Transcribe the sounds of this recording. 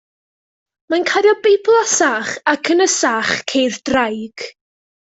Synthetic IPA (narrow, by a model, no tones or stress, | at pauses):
mankʰadjɔbejpʰlˠasaχakʰənəsaχkʰejðd̥rajɡ̥